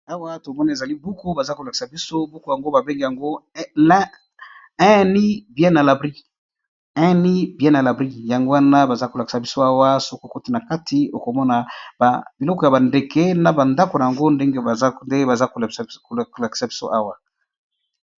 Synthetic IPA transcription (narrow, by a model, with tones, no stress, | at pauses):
a˦wa˦to˨mɔ˦na˨e˨za˨li˦bu˦ku˦ba˨za˦ko˨la˨ki̥˨sa˨bi˦so˦bu˦ko˦ja˨ŋɡo˦ba˨be˦ŋɡe˨ja˨ŋɡo˦lɛ˦ | ɛ̃˦ni˦bjɛ̃˦na˨la˨bʁi˦ | ɛ̃˦ni˦bjɛ̃˦na˨la˨bʁi˦ja˨ŋɡo˦wa˦na˦ba˨za˦ko˨la˨ki̥˨sa˨bi˦so˦a˦wa˦so˦ko˦˨ko˦ti˦na˨ka˦tʰi˨o˨ko˨mɔ˦na˦ba˨bi˨lɔ˦kɔ˨ja˨ba˨nde˨ke˦na˨ba˨nda˦ko˨na˨ja˨ŋɡo˦nde˦ŋɡe˦ba˨za˦nde˦ba˨za˦ko˨ko˨la˨ki̥˨sa˨bi˦so̰˦ʔa˦wa˦